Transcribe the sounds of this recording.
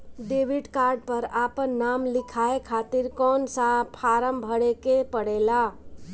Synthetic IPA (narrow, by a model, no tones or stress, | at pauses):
ɖeʋiɖkaɾɖ̚pəɾapənːamlikʰaekʰat̪iɾkɔːnsapʰaɾəmbʱəɽekepəɽela